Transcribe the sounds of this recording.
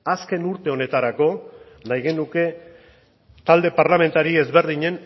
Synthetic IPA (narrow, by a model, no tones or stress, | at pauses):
aske̞nuɾt̪e̞o̞ne̞t̪aɾako̞ | najɣe̞nuke̞ | t̪ald̪e̞paɾlame̞nt̪aɾie̞zβe̞ɾðiɲe̞n